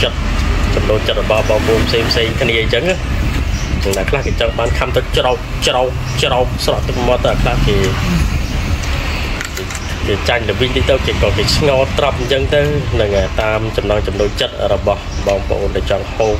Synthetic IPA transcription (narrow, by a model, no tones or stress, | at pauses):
t͡ɕət̪̚t͡ɕɑmnoːt͡ɕət̪̚rɔɓɑhɓɑːŋpəʔoːnpʰseːŋpʰseːŋkʰniəɲt͡ɕəŋa | nəŋnakʰlahkeːt͡ɕɑŋɓaːnk̪ʰamt̪ɨt͡ɕrak̚ | t͡ɕroɔh̚ | t͡ɕrawk̚srɑʔt̪ɨk̚mɔt̪ːəwʔakʰlahkeː | keːt͡ɕaɲlɨʋiɲt̪iːt̪ɨwkekɑːkeːt͡ɕʰŋɑːlt̪rɑp̚ɲt͡ɕəŋt̪ɨwnɨŋəət̪aːmt͡ɕɑmnɑŋt͡ɕɑmnoːlt͡ɕət̪̚rɔɓɑhɓɑːŋpə̰̆ʔoːnɗaɛt͡ɕɑŋhoːp̚